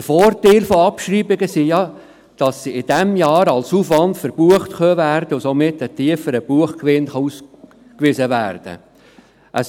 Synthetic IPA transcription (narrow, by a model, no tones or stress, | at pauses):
əfɔːɾteɪlfoɑpʃɾiːbɪɡəsijɑ | d̥ɑsːiɪd̥ɛmjɑːɾɑlsufʋɑndfəɾb̥uəχtkœvæːɾdəʊsomɪtːətiəfəɾəb̥uəχkʋɪnχɑus | kʋisəʋæ̰ːɾd̥ə̰ | ʔə̰s